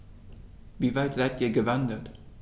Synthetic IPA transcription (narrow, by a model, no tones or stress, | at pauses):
viːvaɪtz̥aɪtʔiːɐɡəvandət